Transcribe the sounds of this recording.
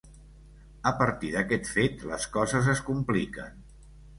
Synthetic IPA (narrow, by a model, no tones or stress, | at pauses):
əpəɾt̪iðəkɛt̪fet̪lə̰skɔzəzəskumplikə̰n